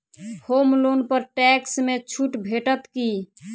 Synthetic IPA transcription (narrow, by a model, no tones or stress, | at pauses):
homlonpəɾʈɛksmet͡ʃʰuʈbʱeʈət̪ki